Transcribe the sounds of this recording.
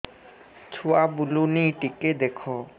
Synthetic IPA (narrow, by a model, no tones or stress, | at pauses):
t͡ɕʰuabuluniʈiked̪ekʰo